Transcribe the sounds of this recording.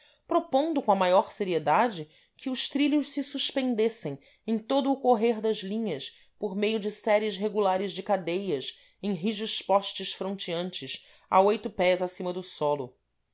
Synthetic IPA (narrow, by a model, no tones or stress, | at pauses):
pɾopõnd̪ʊkõɐmajɔɾseɾied̪ad͡ʒɪ | kɪʊʃt̪ɾilʊʃsɪsuʃpẽnd̪esẽj̃ | ẽj̃t̪od̪ʊːkoɦeɾd̪ɐzlĩɲɐs | poɾmejʊd͡ʒɪsɛɾiɪʃɦeɡulaɾɪzd͡ʒɪkad̪ejɐs | ẽj̃ɦiʒʊʃpɔʃt͡ʃɪʃfɾõnt͡ʃiɐ̃nt͡ʃɪʃ | a̰ojt̪ʊpɛzasĩmɐd̪ʊsɔlʊ